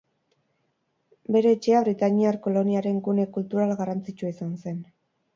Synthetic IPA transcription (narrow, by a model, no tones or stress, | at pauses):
be̞ɾe̞ːt͡ʃe̞aβ̞ɾit̪aniaɾko̞lo̞niaɾe̞ŋkune̞kult̪uɾalɣarant͡sit͡ʃuaisanse̞n